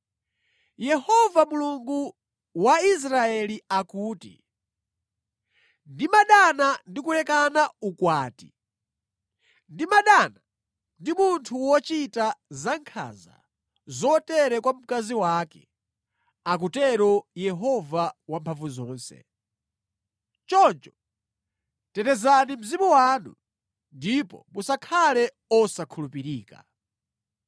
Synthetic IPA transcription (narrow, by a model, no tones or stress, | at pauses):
jɛhɔvamuluŋɡu | wais̬ɾaɛliakuːtḭ | ndimaɗanandikulɛkanaukwaːti̥ | ndimaɗana | ndimuntʰuwɔt͡ʃitazaŋkʰa̰za̰ | zɔtɛɾɛkwam̩kaziwaːkɛ | ak̬utɛɾɔjɛɦɔvawampʰaɱvuzɔːnsɛ̰ | t͡ʃɔnt͡ʃɔ̥ | tɛtɛzanim̩zimuwanṵ | ndipɔ̰musakʰalɛ | ɔsakʰulupiɾiːka̰